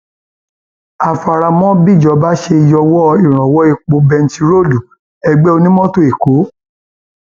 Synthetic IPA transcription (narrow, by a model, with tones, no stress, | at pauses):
a˨fa˧ɾa˧mɔ̃˦bi˦˨d͡ʒɔ˨˦ba˦ʃe˧i˧jɔ˧wɔ˦˧i˦˨ɾ̃ɔ̃˨wɔ˨˦i˧k͡po˨˧˦bɛ˧n̩˦ti˧ɾo˦˨du˨ | ɛ˧ɡ͡bɛ˦o˧nĩ˦mɔ̃˦to˦˨i˨ko˨˦